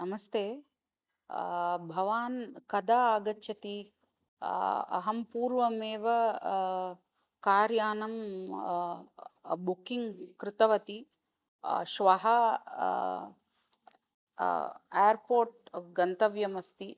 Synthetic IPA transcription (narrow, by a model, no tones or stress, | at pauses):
nɐmɐst̪ʰeː | bʱɐʋaːnkɐd̪aːaːɡɐtːʃʰɐt̪i | ɐ̰ɦɐmpuːɾʋɐmeːʋɐ | kaːɾjaːnɐm | bukiŋɡkɾɪt̪ɐʋɐt̪i | ʃʋɐɦɐ | eːɾpoːɾʈ̚ɡɐnt̪ɐʋjɐmɐst̪i